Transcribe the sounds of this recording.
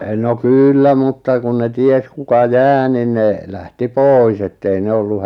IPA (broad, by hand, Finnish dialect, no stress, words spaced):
no kyːlːæ mutːɑ kun ne ties kukɑ jæː nin ne læhti poˑis etːei ne olːu